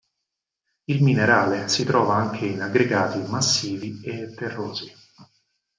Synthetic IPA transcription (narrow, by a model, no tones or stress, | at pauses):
ilmineɾaːlesit̪ɾɔːvaaŋkʰeinaɡːɾeɡaːt̪imasːiːviet̪ːerːoːzi